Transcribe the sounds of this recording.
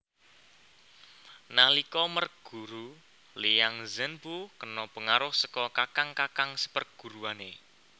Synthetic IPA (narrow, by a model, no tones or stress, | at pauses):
nalikɔmərɡ̥ṳɾu | lijaŋzənpukənɔpəŋaɾʊhsəkɔkakaŋkakaŋsə̥pərɡ̥ṳɾuane